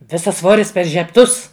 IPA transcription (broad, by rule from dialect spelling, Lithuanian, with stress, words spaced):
ˈʋʲɪsɐs ˈsʋoːrʲɪs pʲɛr ʒʲɛpˈtʊs